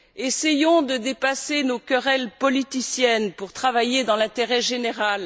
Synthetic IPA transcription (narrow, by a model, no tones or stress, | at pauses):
esejɔ̃d̪əd̪epasenokʲœʁɛlpɔlit̪isjɛnpuʁt̪χavajed̪ɑ̃lɛ̃t̪eʁɛʒeneʁal